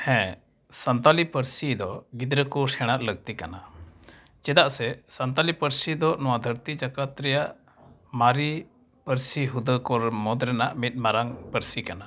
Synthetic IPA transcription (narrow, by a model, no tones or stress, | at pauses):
hɛ̃ | sant̪alipəɾsid̪ɔɡid̪ɾəkɔsɛɽ̃aʔləɡ̚t̪ikana | t͡ʃɛd̪aʔsɛsant̪alipəɾsid̪ɔnɔwad̪ʱəɾt̪id͡ʒakat̪ɾɛjaʔ | maɾi | pəɾsiɦud̪əkɔɾmɔd̪ɾɛnaʔmit̪̚maɾaŋpəɾsikana